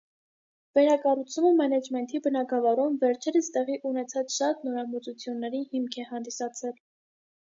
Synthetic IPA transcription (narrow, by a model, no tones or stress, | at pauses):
vɛɾɑkɑrut͡sʰuməmɛnɛd͡ʒmɛnt̪ʰibənɑɡɑvɑɾumvɛɾt͡ʃʰɛɾəst̪ɛʁiʔunɛt͡sʰɑt͡sʃɑt̪nɔɾɑmut͡sut͡sʰjunːɛɾihimkʰɛhɑnd̪isɑt͡sʰɛl